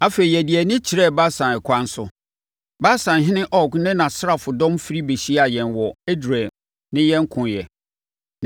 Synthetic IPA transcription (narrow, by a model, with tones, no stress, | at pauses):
a˦fe˨i˨jɛ˨di˨ɛ˨nɪ̃˦t͡ɕʰi˨ɾɛ˦˨ba˦sã˨nɛ˨kʰʷã˦n˦sʊ˦ | ba˦sã˨nɦɪ̃˦nɪ̃˦ʔɔ˦˨ɡnɪ̃˦nã˨sɾa˨fʊ˨dɔ̃˦mfi˦ɾi˦be˨ɕi˦a˨jɛ̃˨nwɔ˨e˦du˨ɾɛ˨ | nɪ̃˦jɛ̃˦ŋ̩˦kʰʊ̃˨njɛ˨